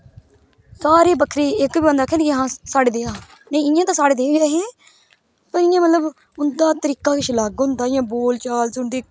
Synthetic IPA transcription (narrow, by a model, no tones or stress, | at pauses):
saːɾeːbəkʰɾeːɪkbiːbãnd̪aːkʰɛːnkiɦãːsaːɽeːd̪eːaː | nə̃ĩɪjãːt̪ãːsaːɽeːd̪eːjaːɦeː | pəɾɪjãːmət̪ləb | ʊnd̪aːt̪əɾiːkaːkɪʃlaːɡɦʊ̃nd̪aːjãːboːlt͡ʃaːlsʊɳd̪iː